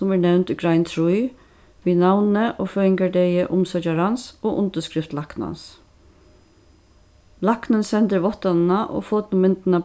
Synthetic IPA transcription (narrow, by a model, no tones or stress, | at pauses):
sɔmæːnɛwnt̪ɪɡɾaɪnt̪ʰɾuj | ʋiːnawnəʔoːfœːɪŋɡaɖɛjəʔʊmsœt͡ʃaɾɑnsoːʔʊnt̪əskɾɪft̪lɑknɑ̰ns | lɑknənsɛnt̪əʋɔht̪ɑnnɑʔo̰ːfɔt̪nʊmɪnt̪nɑ